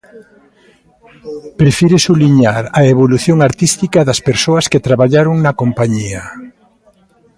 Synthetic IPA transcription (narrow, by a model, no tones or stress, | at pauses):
pɾefiɾesuβliɲaɾɐeβoluθjoŋaɾt̪ist̪ikɐðɐspeɾsoɐsket̪ɾaβaʎaɾoŋnɐkompaɲiɐ